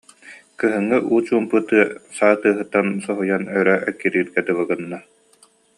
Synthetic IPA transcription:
kɯɦɯŋːɯʔuːt͡ɕuːmpɯt̪ɯɐsaːt̪ɯːɦɯt̪ːansɔɦujanœɾœʔœkːiɾiːɾɡɛd̪ɯβɯɡɯnːa

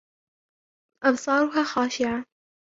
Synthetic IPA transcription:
ʔɑbsˤɑːɾˤʊɦaːxaːʃɪʕa

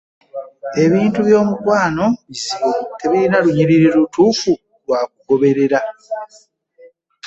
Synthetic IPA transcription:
e̞βiːntuβjo̞ːmukwaːno̞βisiβote̞βiɾinaluɲiɾiɾiɾutuːfu | lwaːk̚uɡo̞βe̞ɾe̞ɾa

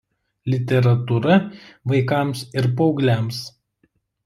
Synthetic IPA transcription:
lʲɪt̪ʲɛɾɐt̪uɾɐʋɐɪkɑˑmsɪɾpɔʊɡlʲæˑms

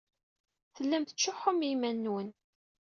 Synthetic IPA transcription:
θəlːæmt̪ə̥t͡ʃːʊħʊmimænːwən

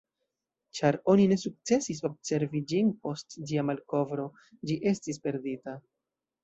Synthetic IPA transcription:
t͡ʃaɾo̞nine̞suk̚t͡se̞sis̬o̞b̚se̞ɾvid͡ʒinpo̞std͡ʒiamalko̞vɾo̞ | d͡ʒiʔe̞stispe̞ɾdita

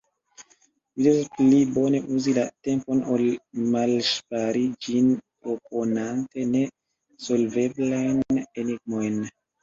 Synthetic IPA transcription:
lidesplibo̞ne̞ʔuzilate̞mpo̞nolmalʃpaɾid͡ʒinpɾo̞po̞nante̞ne̞ | so̞lve̞blajneniɡ̚mo̞jn

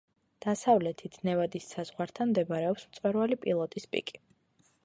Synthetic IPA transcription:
d̪̥asavlɛt̪ʰit̪ʰnɛvad̪isːaz̥ʁwaɾt̪ʰanmd̪ɛbaɾɛɔpsmt̪sʼwɛɾvalipʼilˠɔt̪ʼispʼḭkʼi̥

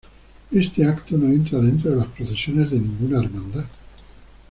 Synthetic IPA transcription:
e̞st̪eakt̪ono̞e̞nt̪ɾaðent̪ɾoðelaspɾoθe̞sjone̞zðenĩŋɡunaeɾmãnd̪a

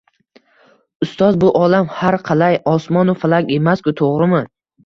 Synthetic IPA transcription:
ʊst̪ɒzbʊʔɒlamhaɾqʰɑlajɒsmɒnʊfalˠaɡʲe̞maskʊt̪ʰoʁɾɪmɪ

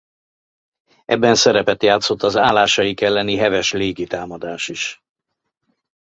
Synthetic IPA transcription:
ʔɛ̰bːɛnsɛɾɛpɛt̪jaːt̪so̞t̪ːɒzaːlaːʃɒjikɛlːɛniɦɛvɛʃleːɡit̪aːmɒd̪aːʃiʃ

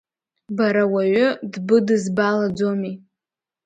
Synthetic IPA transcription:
baɾawaɥʷʊdbɨdɨzbalad͡zomi

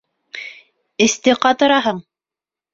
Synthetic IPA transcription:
ɘ̆st̪ɘqɑt̪ɤ̆ɾɑɦɤɴ

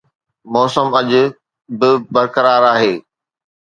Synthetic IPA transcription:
mɔːsəmɐʄʊ̆ | bɪbɐɾkɐɾaːɾaːɦeː

